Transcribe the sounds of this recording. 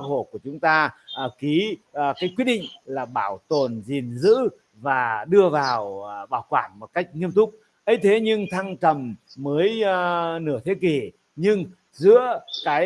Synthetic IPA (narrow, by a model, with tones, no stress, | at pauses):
ho̰˧˨ku˧˩ət͡ɕʊ˨˦ŋ͡mt̪aː˧˨˩ki˨˦˨kaː˨˦jkwi˦˥t̚ɗḭ˧˨ŋ̟laː˨˩ɓaː˧˩wt̪o˨˩nzi˨˩nzɨ̰˧˥ | vaː˨˩ɗɨ˧əvaː˨˩wɓaː˧˩wkwaː˧˩nmo˨˩t̚ka˦˥jk̟̚ŋi˧əmt̪ʰʊ˦˥k͡p̚ | ʔə˨˦jt̪ʰe˨˦ɲɨ˧ŋt̪ʰa˧ŋt͡ɕə˨˩mməː˨˦jnɨ˧˩ət̪ʰe˨˦ki˨˩ | ɲɨ˧ŋ | zɨ̰˧˥əkaː˨˦j